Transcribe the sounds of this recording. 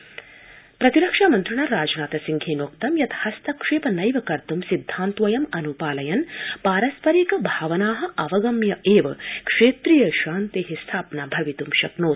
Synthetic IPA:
pɾɐt̪iɾɐkʂaːmɐnt̪ɾuɳaɾaːd͡ʒnaːt̪ɐsiŋɡʱeːnoːk̚t̪ɐmjɐt̪ɐ̥hɐst̪ʰɐkʂeːpɐnɐjʋɐkɐɾt̪umsid̪ʱːaːnt̪ʋɐjɐmɐnupaːlɐjɐnpaːɾɐspɐɾiːkɐbʱaːʋɐnaːɦɐ̆ɐʋɐɡɐmjɐʔeːʋɐkʂeːt̪ɾijɐʃaːnt̪iɦist̪ʰaːpɐnabʱɐʋit̪umʃɐknoː

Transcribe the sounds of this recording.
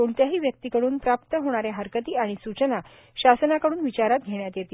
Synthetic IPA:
oɳt̪jaɦiːʋjək̚t̪ikəɽuːnpɾap̚t̪əɦoɽ̃aɾjaɦəɾkət̪iːaɽ̃isut͡ɕəna | ɕasənakəɽuːnʋit͡ɕaɾat̪̚ɡʱeɳjat̪jet̪iː

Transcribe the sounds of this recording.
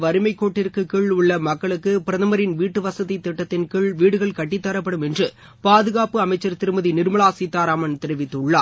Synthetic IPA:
ʋɐɾɯmɐɪkːoːʈːɪrkɯkiɭʊɭːɐmɐkːɐɭɯkːɯpɪɾɐðɐmɐɾɪnʋiːʈːɯʋɐsɐðit̪ːɪʈːɐt̪ːɪnkɪɭʋiːɽɯɣɐɭkɐʈːɪt̪ːɐɾɐpːɐɽɯmɛndrɯ | paːðɯɣaːpɯɐmɐɪt͡ʃːɐɾt̪ɪɾɯmɐðinɪɾmɐɭaːsiːt̪ːaːɾaːmɐnt̪ɪɾɪʋɪt̪ːɯɭːa̰ː

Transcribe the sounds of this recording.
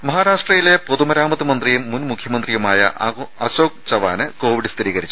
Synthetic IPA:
mɐɦaːɾaːʂʈrɐjile̞poðumɐɾaːmɐðɨmɐnd̪rijumːunmukʰjɐmɐnd̪rijumaːjɐ̰ʔɐɕoːk̚t͡ɕɐʋaːnɨko̞ːʋiɽɨst̪ʰiɾiːɣɐɾit͡ɕːu̥

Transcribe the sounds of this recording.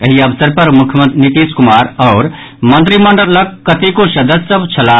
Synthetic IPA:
əɦiəbsəɾpɐɾmukʰjəmət̪nit̪iskumaːɾɔːɾ | mə̃nt̪ɾiməɳɖəɾləkːət̪ikosəd̪əsəbʱt͡ʃʰɐla

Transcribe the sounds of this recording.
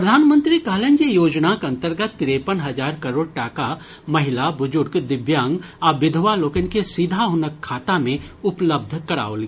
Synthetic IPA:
pɾɐd̪ʱaːnmə̃nt̪ɾikaːlend͡ʒejoːd͡ʒnakɐ̃nt̪əɾɡət̪ːɪɾepənɦɐd͡ʒaːɾkɐɾoːɽʈaːka | mɐɦɪlabʊd͡ʒʊɾkd̪ɪbjãːŋɡaʋɪd̪ʱʋaloːkənkesiːd̪ʱaɦʊnəkʰːaːt̪amẽʊpləb̚d̪ʱkɐɾa̰ːoːlɡi

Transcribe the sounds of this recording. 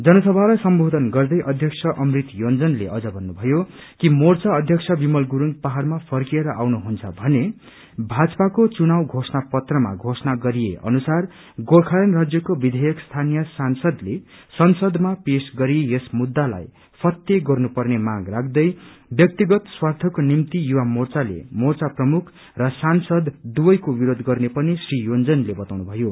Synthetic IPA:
d͡zʌnʌsʌbʱalajsʌmbʱod̪ʱʌnɡʌrd̪ʌjʔʌd̪ʱjʌksʰʌʔʌmrit̪jond͡zʌnlḛʌd͡zʌbʱʌnːubʱʌjo | kimort͡sʌʌd̪ʱjʌksʰʌbimʌlɡuɾuŋpaɦarmapʰʌrkieɾʌʔawnuɦunt͡sʰʌ̰bʱʌne | bʱad͡zpakot͡sunawɡʱosnapʌt̪rʌma̰ɡʱosnaɡʌɾijeʔʌ̰nusar | ɡorkʰajʌnrad͡zjʌkobid̪ʱejʌkst̪ʰanijʌsansʌd̪lesʌnsʌd̪mapesɡʌɾijesmud̪ːala̰j | pʰʌt̪ːjeɡʌrnupʌrnemaɡrakʰd̪ʌjbjʌk̚t̪iɡʌt̪swart̪ʰʌkonimt̪ijuwamort͡salḛmort͡saprʌmukʰ | rʌsansʌd̪ːuwʌjkobiɾod̪ɡʌrnepʌnisrijond͡zʌnlebʌt̪awnubʱʌjo

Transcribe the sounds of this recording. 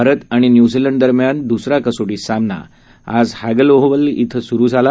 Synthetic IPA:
aɾət̪aɽ̃injud͡ziləɳɖd̪əɾmjand̪usɾakəsoɽiːsamna̰ | a̰d͡zhaɡəloɦʋəlit̪ʰəsuɾuːd͡zʱala

